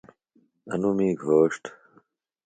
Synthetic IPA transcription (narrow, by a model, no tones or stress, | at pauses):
ɐ̰numiːɡʱoːʂʈ